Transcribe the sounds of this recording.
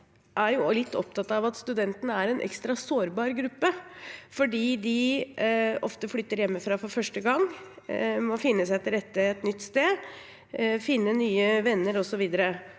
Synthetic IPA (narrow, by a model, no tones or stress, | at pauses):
ʔæɾjʊlɪt̪ʰːɔ̰p̚t̪ʰɑt̪ːɑʋɑt̪st̪ʉd̪ɛnt̪ənəæɾɛnʔɛ̰kst̪ɾɑsoːɾbɑːɾɡɾʉpːəfɔɖiːd̪ɪ | ɔ̰ft̪əflʏt̪ːəɾjɛmːəfɾɑːfɔɾfœʂʈəɡɑŋː | mɔfɪnːəsæɪt̪ʰɪlɾɛt̪ːəɛt̪nʏt̪ːst̪eː | fɪnːənyːəʋɛnːəɾɔsɔʋiːd̪əɾə